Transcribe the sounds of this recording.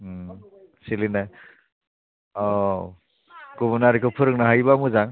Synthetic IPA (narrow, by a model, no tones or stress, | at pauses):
silinaj | ɔ | kubunaɾikʰɯpʰɯɾɯŋnaɦajbamuzaŋ